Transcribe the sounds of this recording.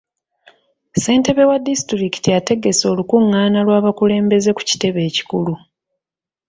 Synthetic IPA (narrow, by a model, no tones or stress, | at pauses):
se̞ːnte̞βe̞wadːistɾiki̥tiate̞ɡe̞so̞ːlukuŋːaːnalwaːβakule̞ːmbe̞ze̞ku̥ci̥te̞βe̞ːci̥kulu